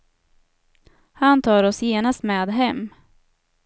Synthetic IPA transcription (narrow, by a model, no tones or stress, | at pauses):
hant̪ʰɑːɾɔsjeːnast̪mɛːd̪ɦɛmː